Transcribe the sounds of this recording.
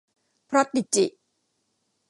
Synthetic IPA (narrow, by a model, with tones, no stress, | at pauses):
pʰɾɔ˦˥t̪̚ːi˨˩t̚t͡ɕi˨ʔ